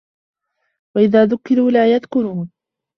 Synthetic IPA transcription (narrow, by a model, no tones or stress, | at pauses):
waʔɪðaːðʊkːɪɾuːlaːjaðkʊɾuːn